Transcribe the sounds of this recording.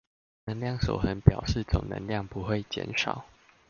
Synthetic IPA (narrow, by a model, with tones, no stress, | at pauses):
nə˧˦ŋljɑ˥˨ŋʂo̰˨˩ʊxə˨˦npjɑ˨˩ʊʂɻ̩˥˨t͡sʊ̰˨˩ŋnə̰˧˦ŋljɑ˥˨ŋpu˨˦xwe˥˨ɪt͡ɕjɛ̰˧˦nʂɑ̰˨˩˦ʊ